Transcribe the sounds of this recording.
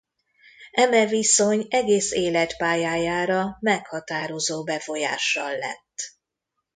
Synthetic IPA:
ɛmɛviso̞ɲɛɡeːseːlɛt̪paːjaːjaːɾɒmɛkhɒt̪aːɾo̞zoːbɛfo̞ja̰ːʃɒlːɛ̰t̪ː

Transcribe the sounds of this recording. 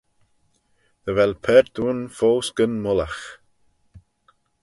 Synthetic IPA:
ðəvɛlpʰɛɾd̪̥uːnfoːsɡ̥ənmʊlax

